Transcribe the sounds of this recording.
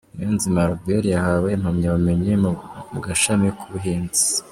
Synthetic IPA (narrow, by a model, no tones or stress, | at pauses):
neːnzimaɾɡeɾjahawenhumɲaβame̞ɲemuɡaʃamikʰuβuɦiːnzi̥